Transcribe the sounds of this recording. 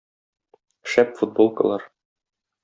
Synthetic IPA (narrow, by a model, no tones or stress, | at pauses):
ʃæpfud̪̚bolˠkɤ̰̆lˠɑɾ